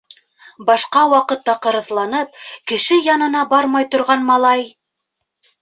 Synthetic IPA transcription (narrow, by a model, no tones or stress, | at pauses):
bɑʃqɑwɑqɤt̪ːɑqɤ̆ɾɤ̆ðlˠɑnɤp̚kɘ̆ʃɘjɑnɤ̆nɑbɑɾmɑjt̪ŏɾʁɑnmɑlˠɑj